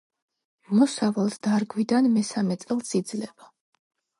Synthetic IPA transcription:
mɔsavalˠsd̪aɾɡwid̪anmɛsamɛt̪sʼɛlˠsid̪zlɛba

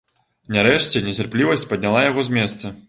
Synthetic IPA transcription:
nʲaɾɛʂt͡sʲɛnʲɛt͡sʲarplʲivɐsʲt͡sʲpɐd̪ʲnʲalˠajaɣɔzʲmʲɛst̪sɐ

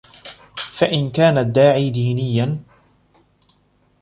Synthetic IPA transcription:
faʔɪnkaːnad̪ːaːʕiːd̪iːnɪjːan

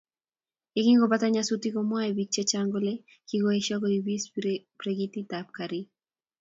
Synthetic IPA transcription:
ekiŋɡobat̪aɲasut̪ikomwaebit͡ʃːet͡ʃaŋɡole | kiɡoeʃaɡoibispɾeɡitit̪ap̚kaɾi

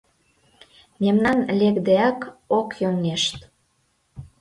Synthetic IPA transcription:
memnɑnlekd̪eɑkokjoŋeʃt̪

